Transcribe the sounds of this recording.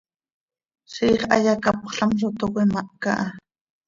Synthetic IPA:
ʃiːχa̰jakapoχɬamsot̪okʷemaʔka̰ʔa

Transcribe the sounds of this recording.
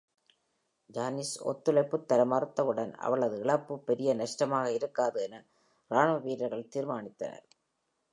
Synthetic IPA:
d͡ʒaːnisɔ̰t̪ːɯɭɐɪpːɯt̪ːɐlɐmɐɾɯt̪ːɐʋɯɽɐnɐ̰ʋɐɭɐðɯɪɭɐpːɯpːɛɾɪjɐnɐʂʈɐmaːɣɐɪɾɯkːaːðɯɛnɐ | ɾaːɳmɐʋiːɾɐɾɣɐɭt̪iːɾmaːɳɪt̪ːɐ̰nɐ̰ɾ

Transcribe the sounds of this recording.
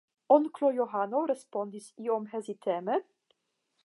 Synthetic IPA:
ɔnklojoɦanoɾɛspɔnd̪isiɔmɦɛzit̪ʰɛmə

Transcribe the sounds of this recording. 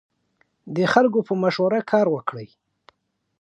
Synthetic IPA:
d̪əxalɡopəmaʃwaɾakʰɑɾwəkɽəj

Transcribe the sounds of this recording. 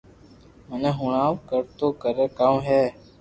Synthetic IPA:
mənẽːɦʊɳaːʋkəɾt̪oːkəɾeːkaːmɦɛː

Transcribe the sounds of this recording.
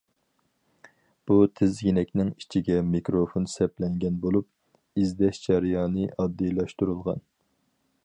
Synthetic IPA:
b̥ut̪ʰɪzjinɛkʲnɪŋi̥t͡ʃʰiɡʲɛmikɾofonsɛplɛŋɡʲɛnbolˠup̚ | izd̪ɛʃd͡ʒɑɾjɑːnɨʔɑd̪ːijlˠɑʃt̪uɾulˠʁɑ̰n

